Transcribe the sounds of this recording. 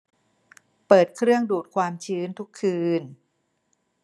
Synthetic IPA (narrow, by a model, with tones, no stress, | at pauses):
pɤː˨˩t̪̚kʰɾɯ˥˩əŋduː˨˩t̪̚kʰwaː˧mt͡ɕʰɯː˦˥nt̪ʰu˦˥kʰːɯː˧n